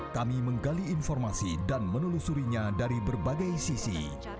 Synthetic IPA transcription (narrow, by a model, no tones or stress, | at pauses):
kamiməŋɡaliːnfɔrmasidanmənulusuɾiɲadaɾibərbaɡajsisḭ